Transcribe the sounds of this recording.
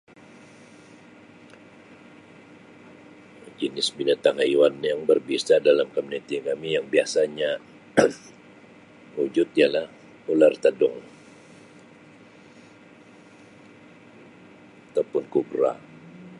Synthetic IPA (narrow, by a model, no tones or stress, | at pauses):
d͡ʒənɪsbinat̪aŋaiwanjaŋbərbisadalamkomunit̪ikamijaŋbiasaɲa | ŋud͡ʒʊt̪̚jalah | ulart̪ədʊŋ | at̪apʊnkubɾa̰